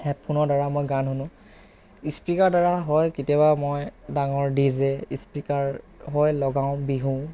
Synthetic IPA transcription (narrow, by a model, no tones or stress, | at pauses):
hɛt̚pʰunɔɹdaɹamojɡanɦunʊ̃ | ispɹikaɹdaɹaɦɔjkitijabamɔjdaŋɔɹdizɛispikaɹ | ɦɔjlɔɡaʊ̃biɦũ